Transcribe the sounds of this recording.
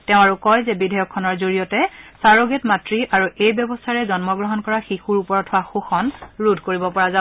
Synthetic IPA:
tɛʊ̃aɹukɔjzɛbidʱɛjɔkʰːɔnɔɹzoɹijɔtɛsaɹɔɡetmatɹiʔaɹuʔejbjɔbɔstʰaɹɛzɔnmɔɡɹɔɦɔnkɔɹaxixuɹupɔɹɔtʰhʊwaxuxɔnɹudʱkoɹibɔpɔɹaza

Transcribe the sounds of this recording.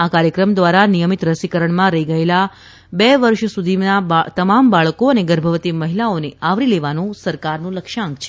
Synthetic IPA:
akaɾjəkɾəmd̪ʋaɾanijəmit̪ɾəsikəɾəɳmãɾəɦiɡəela | bɛʋəɾʃsud̪ʱinaat̪əmambaɭkoəneɡəɾbʱəʋət̪iməɦilaoneaʋɾileʋanũsəɾkaɾnũləkʃãŋkt͡ʃʰe̥

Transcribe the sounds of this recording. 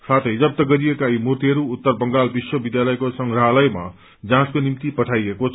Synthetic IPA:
sat̪ʰʌjd͡zʌp̚t̪ʌɡʌɾiekaimurt̪iɦʌɾuːt̪ːʌrbʌŋɡalbiswʌbid̪jalʌjkosʌŋɡɾaɦlʌjma̰ | d͡zãskonimt̪ipʌʈʰajekot͡sʰ

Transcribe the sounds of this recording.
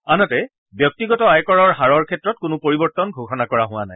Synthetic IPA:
anɔtɛ | bjɔk̚tiɡɔtɔajkɔɹɔɹɦaɹɔɹkʰɛtɹɔt̚kʊnʊpoɹibɔɹtɔnɡʱoxɔnakɔɹaɦʊwanaj

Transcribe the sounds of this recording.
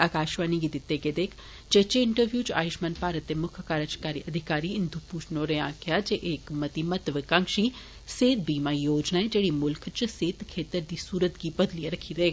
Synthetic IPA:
aːkaːʃʋaːniɡid̪ɪt̪ːeɡeːd̪eːkʰ | d͡ʒet͡ʃeɪɳʈəɾʋjuːt͡ʃa̰ːjɪʃmanpaːɾət̪ːemʊkʰkaːɾət͡ʃkaːɾiʔɐd̪ʱɪkaːɾiɪnd̪ʱupuːʃnoːɾẽãːkʰjad͡ʒeʔeːkmɐt̪imɐt̪ʋɪkãŋʃi | seːt̪̚biːmaːjoːd͡ʒnaːed͡ʒeːɽimʊlkʰt͡ʃseːt̪kʰeːt̪əɾd̪iːsuːɾət̪ɡibɐd̪lijeɾɐkʰiɾɐeːɡaː

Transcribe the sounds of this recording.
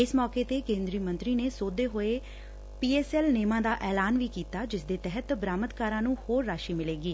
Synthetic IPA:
ɪsmɔːkeːt̪eːkẽːnd̪ɾiːmə̃nt̪ɾiːneːsoːd̪eːɦoːeː | piːɛːsɛːlneːmãːd̪aːʔɛːlaːnʋiːkiːt̪aːd͡ʒɪsd̪eːt̪ɛɦət̪bɾaːmət̪kaːɾãːnũːhoːɾːaːʃiːmɪleːɡiː

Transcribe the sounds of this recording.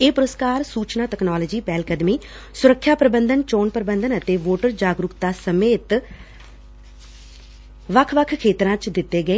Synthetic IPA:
eːpʊɾəskaːɾsuːt͡ʃnaːʈɛknaːləːd͡ʒiːpɛːlkəd̪miː | sʊɾəkʰːjaːpɾəbənd̪ənt͡ʃoːnpəɾəbə̃nd̪ənət̪eːʋoːʈəɾd͡ʒaːɡɾʊkt̪aːsəmeːt̪ | ʋəkʰʋəkʰkʰːeːt̪ɾãːt͡ʃd̪ɪt̪ːeːɡəeː

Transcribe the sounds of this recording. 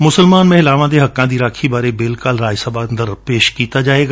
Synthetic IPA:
mʊsəlmaːnmẽɪlaːʋãd̪eɦɐkːãːd̪iɾaːkʰibaːɾebeːlkaːlɾaːd͡ʒsɐband̪əɾpeːʃkiːt̪ad͡ʒaːeːɡa

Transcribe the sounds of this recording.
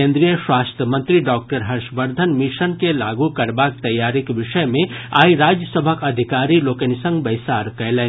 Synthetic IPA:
ẽnd̪ɾijəswast̪ʰjəmə̃nt̪ɾiɖɔːk̚ʈəɾɦəɾʃbəɾd̪ʱənmiʃənkelaɡukɐɾbak̚t̪ɐjːaɾikbiʃəjmẽaːiɾad͡ʒjəsəbʱəkɐd̪ʱikaɾilokenisə̃ŋɡbəɪjsaɾkəlɛ

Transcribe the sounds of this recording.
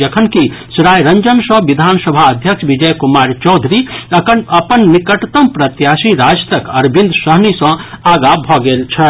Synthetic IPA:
ɐkʰənkisɾaːjɾɐ̃ɲd͡ʒənsɔ̃ʋid̪ʱaːnsəbʱaɐd̪ʱjəkʃʋid͡ʒəjkumaːɾt͡ʃɔːd̪ʱɾi | ɐpənːikəʈt̪əmpɾɐt̪jaːsiɾaːd͡ʒt̪əkɐɾbʱĩnd̪səɦnisɐ̃aːɡabʱɔɡelt͡ʃʰɛ

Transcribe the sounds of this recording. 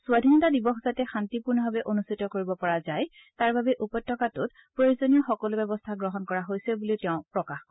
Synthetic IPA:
suadʱinɔtadibɔxzatɛxantipuɹnɔbabɛʔonustʰitɔkoɹibɔpɔɹazaj | taɹbʱabɛʔupɔjtʰːɔkatʊt̚ | pɹojozonijɔxɔkɔlʊbɛbɔstʰaɡɹɔɦɔnkɔɹaɦojsɛbuliʊtɛʊ̃pɹɔkax

